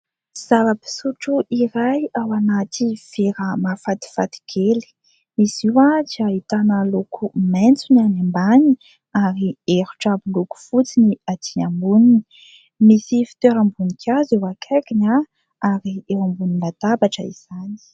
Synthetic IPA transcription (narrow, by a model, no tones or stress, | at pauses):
z̥avəpi̥suʈ͡ʂuʔiɾajawanat̪iv̥eɾəmafat̪i̥fat̪i̥ɡ̥eli̥ | misiwad͡ʒiaɦit̪anəlukʰument͡sunanambani | aɾieɾu̥ʈ͡ʂabuluku̥fut͡siniat̪iambunini | misifi̥t̪eɾambunikʰʲaziwakʰakina | aɾiewambuninad̪abaʈ͡ʂə̰ḭz̥ani̥